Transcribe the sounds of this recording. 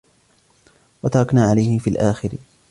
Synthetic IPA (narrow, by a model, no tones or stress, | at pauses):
wat̪ɑɾˤɑknaːʕalajhɪmfiːlʔaːxɪɾ